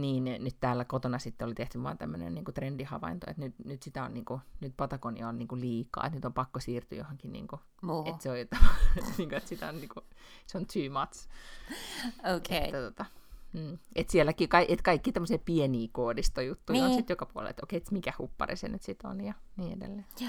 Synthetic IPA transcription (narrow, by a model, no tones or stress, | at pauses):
niːnnyt̪t̪æːlːækot̪onɑsit̪ːeolit̪eht̪yʋʋɑ̰ːnt̪æmːønḛnniːŋkut̪rendihɑ̰ʋɑ̰int̪o̰ḛt̪nyt̪nyt̪sit̪æo̰nniːŋkunyt̪pɑt̪ɑkonḭɑonniːŋkuliːkɑ̰ːet̪nyt̪ompɑkːosiːrt̪y̰johoŋkinḭːŋku | et̪seojot̪ɑʋɑniːŋkoet̪sit̪æonniːŋkuseont̪ʰyːmɑt̪s | okeːæt̪ot̪ɑm̩ːet̪sielːækiːkɑiʔet̪kɑikːiːt̪æmːoseːpieniːkoːdist̪ojut̪ːuionsit̪jokɑpuo̰lḛlḛt̪okeet̪mikæhupːɑ̰rḭsḛnyt̪sit̪o̰njɑniːḛdḛlːeː